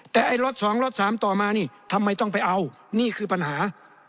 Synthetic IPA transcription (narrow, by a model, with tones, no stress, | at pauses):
t̪ɛː˨˩ʔa˧jɾo˦˥t̪̚sɔː˩˦ŋɾo˦˥t̪̚saː˩˦mt̪ɔː˨˩maː˧niː˥˩t̪ʰa˧mːa˧jt̪ɔ˥˩ŋpa˧jʔa˧w | niː˥˩kʰɯː˧pa˧nhaː˩˦